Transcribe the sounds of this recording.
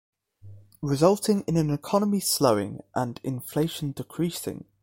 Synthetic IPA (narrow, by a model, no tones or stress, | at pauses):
ɹɪzʌlˠtʰɪ̃ŋɪ̃nə̃nɪkʰɒnəmisləʊɪ̰̃ŋʔə̰̃nɪ̰̃ɱfleɪʃə̃ndɪkʰɹ̥iˑsɪ̰̃ŋ